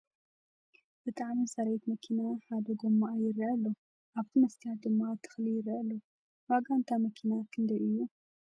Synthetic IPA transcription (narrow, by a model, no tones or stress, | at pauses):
b̥ɨt̪ʰʼaʕmisɐɾɐjt̪mɐkʰinaħad̪ɐɡomːaːjɪrɐɐlːo | ʔaβt̪ʰimɐst̪ʰijat̪̚d̪ɨmːat̪ʰːɨ̥xlijɪrːiɐlːo | waɡant̪ʰamɐkʰinakʰɨnd̪ɐjʔɨjːu